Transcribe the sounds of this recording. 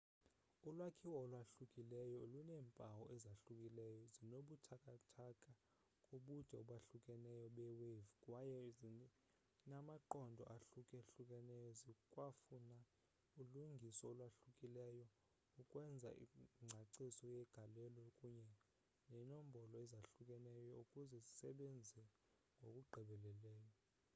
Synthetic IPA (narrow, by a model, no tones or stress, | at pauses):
ulwakʰiwɔːlwaɬukʼilɛjɔlunɛːmpʼawɔʔɛzaɬukʼilɛjɔzinoɓutʰakʼatʰakʼa | kʼuɓud̥ʱɛɔɓaɬukʼɛnɛjɔɓɛwevikʼwajɛ | namaǃɔndʱɔ̰ʔaɬukʼɛɬukʼɛnɛjɔzikʼwafuna | uluŋɡʱisɔɔlwaɬukʼilɛjɔ | ukʼwɛnd͡zʱa̰iŋ͡ǀʱaǀisɔjɛɡ̥ʱalɛlɔkʼuɲɛ | nɛnom̩bʱɔlɔɛzaɬukʼɛnɛjɔukʼuzɛzisɛɓend͡zʱɛ | ŋɡʱokʼuɡ͡ǃʱɛɓɛlɛlɛːjɔ